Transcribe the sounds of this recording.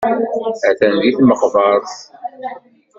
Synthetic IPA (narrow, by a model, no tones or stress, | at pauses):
æθænd̪iθməqvɑɾˤθ